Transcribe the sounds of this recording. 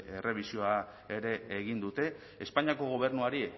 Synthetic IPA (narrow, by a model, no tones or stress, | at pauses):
e̞re̞β̞isio̞a | e̞ɾe̞ːɣ̞ind̪ut̪e̞ | espaɲiako̞ɣ̞o̞β̞e̞rnuaɾi